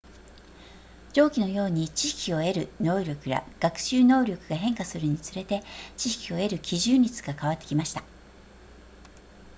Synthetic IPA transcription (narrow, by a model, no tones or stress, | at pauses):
d͡ʑo̞ːkʲino̞jo̞ːɲ̟it͡ɕiɕkʲio̞e̞ɾɯ̟no̞ːɾʲo̞kɯ̟ja̰ɡ̥akɯ̟̥ɕɨːno̞ːɾʲo̞kɯ̟ɡaɦẽ̞ŋkasɨɾɯ̟ɲ̟it͡sɨɾe̞t̪e̞t͡ɕiɕkʲio̞e̞ɾɯ̟kʲiʑɨːɾʲit͡sɨ̥ɡakaβat̪ːe̞̥kʲimaɕi̥t̪ḁ